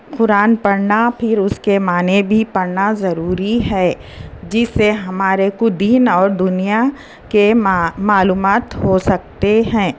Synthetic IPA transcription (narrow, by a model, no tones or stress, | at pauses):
qʊɾaːnpɐɾnapʰɪɾʊskemaːnebʱipɐɾnazɐɾuːɾiɦɛː | d͡ʒɪsːeɦɐmaːɾekʊd̪iːnɔːɾd̪ʊnija | kemaːluːmaːt̪ɦosɐk̚t̪eɦɛ̃ː